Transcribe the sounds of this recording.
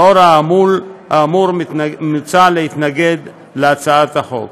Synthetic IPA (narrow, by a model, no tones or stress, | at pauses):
oɾaːmulhaːmuɾnut͡salehit̪naɡe̞d̪ | leat͡saat̪haχo̞̰k